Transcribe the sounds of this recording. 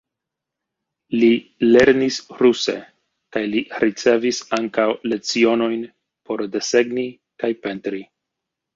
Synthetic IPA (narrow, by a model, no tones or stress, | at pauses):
lile̞ɾnisɾuse̞̰ | kajliɾit͡se̞visaŋkawle̞t͡sio̞no̞jn | po̞ɾde̞se̞ɡni | kajpe̞ntɾi